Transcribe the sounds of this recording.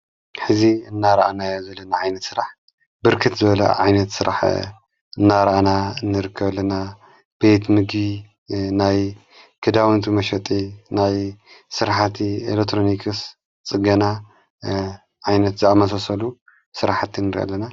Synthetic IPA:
ħɨziɨnːaɾɐʔanajazɐlːɐnaʕajnɐt̪sɨɾaħ | bɨɾkʰɨt̪zɨβɐlɐ̰ʕajnɐt̪sɨɾʔa̰ħ | ɨnːaɾɐʔanaɨnːɨɾɨkʰːɐβlɐna | b̥e̞t̪mɨɡi | naj | kʰɨd̪awɨnt̪ʰimɐʃɐt̪ʼinajsɨɾħat̪ʰiḛlek̚t̪ːɾonikʰɨs | t͡sʼɨɡɐna | ʕajnɐt̪zɨamɐsɐsɐlu | sɨɾaħat̪ʰːinːɨɾḭʔa̰lːɐna

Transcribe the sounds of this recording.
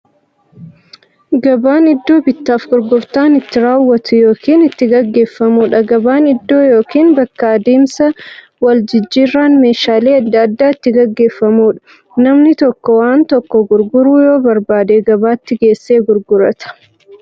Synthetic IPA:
ɡɐbaːnɪd̪ːo̞ːbɪt̪ːaːfɡʊɾɡʊɾt̪aːnɪt̪ːɪɾaːwːɐt̪ʊjo̞ːkiːnɪt̪ːɪɡɐɡːe̞ːfːɐmuːᶑɐɡɐbaːnɪd̪ːo̞ːjoːkiːnbɐkːaːd̪eːmsɐ | wɐld͡ʒɪd͡ʒːirːaːnme̞ːʃaːle̞ːɐd̪ːɐːd̪ːaːɪt̪ːɪɡɐɡːe̞ːfːɐmuːᶑɐ̥ | nɐmnɪt̪ɔkːɔwaːnt̪ɔkːɔɡʊɾɡʊɾuːjo̞ːbɐɾbaːd̪eɡɐbaːɪt̪ːɪɡe̞ːsːe̞ːɡʊɾɡʊɾɐt̪ɐ̥

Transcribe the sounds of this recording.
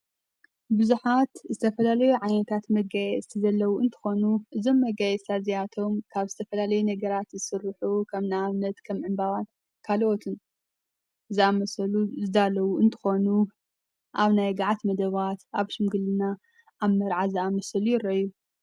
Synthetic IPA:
bɨzuħat̪zɨt̪ʰɐfɐlalɐjuʕajnɐt̪ʰat̪mɐɡajɛst̪ʰizɐlːɐwuʔɨnt̪ʰɨ̥xo̞nuʔɨzo̞mːɐɡajɛst̪azijat̪ʰo̞mkʰaβzɨt̪ʰɐfɐlalɐjunɐɡɐɾat̪zɨsɨrːɨħukʰɐβnaaβnɐt̪kʰɐmʕɨnbawan | kʰalʔo̞t̪ʰɨn | ɨzɨamɐsɐluzɨd̪alɐwuɨnt̪ʰɨ̥xo̞nu | ʔaβnajɡaʕat̪mɐd̪ɐβat̪aβʃɪmɡɨlɨna | ʔaβmɐɾʕaziamɐsɐlujɪrːɐjːu

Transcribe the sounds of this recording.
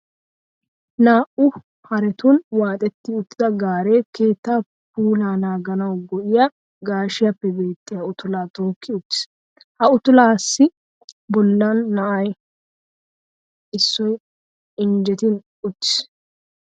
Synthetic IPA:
naːʔʊ | hɐɾɛt̪ʊnwaːt̪ʼɛt̪ːɪʊt̪ːɪd̪ɐɡaːɾe̞ːke̞ːt̪ːaː | puːlaːnaːɡɐnɐwɡɔʔɪjɐ | ɡaːʃɪjɐpːɛbe̞ːt̪ːɪjɐʊt̪ʊlaːt̪ʊkːɪʊt̪ːɪ̥s | hɐʊt̪ʊlaːsːɪ | bɔlːanːɐʔɐj | ɪsːɔj | ɪnd͡ʒɛt̪ɪn | ʊt̪ːɪ̥s

